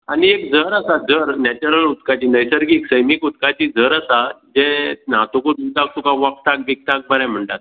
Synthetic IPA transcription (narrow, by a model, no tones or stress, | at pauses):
aɽiekd͡zʱəɾasad͡zəɾnɛt͡ɕuɾəlut̪kat͡ɕiːnəjsəɾɡiksəjmikut̪kat͡ɕiːd͡zʱəɾasad͡ʑɛ̃nat̪okod̪ud̪ʱak̚sukãʋak̚t̪ak̚bik̚t̪ak̚bəɾãm̤əɳʈat̪̚